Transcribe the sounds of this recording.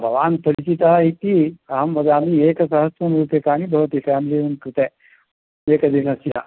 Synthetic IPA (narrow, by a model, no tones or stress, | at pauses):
bʱɐʋaːnpɐɾit͡ʃit̪ɐɦɐit̪iɐɦɐmʋɐd̪aːmieːkɐsɐɦɐsʋɐmɾuːpjɐkaːñibʱɐʋɐt̪ifæːmilijunkɾɪt̪eː | eːkɐd̪inɐsja